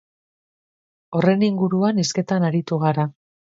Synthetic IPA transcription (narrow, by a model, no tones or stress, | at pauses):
o̞re̞niŋɡuɾuaniske̞t̪anaɾit̪uɣaɾa